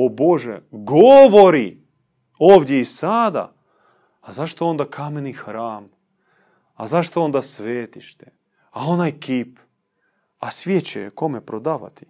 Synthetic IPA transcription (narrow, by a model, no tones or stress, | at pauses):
oboʒɛ̰ɡoʋoɾi | oːʋd̪ʲjeisad̪a̰ː | zaʃt̪oo̞nd̪akʰamenixɾaːm | a̰zaʃt̪oo̞nd̪asʋeːt̪iʃt̪ɛ̥ | ao̞najkip | asʋjet͡ɕḛko̞mɛpɾod̪aːʋa̰t̪i̥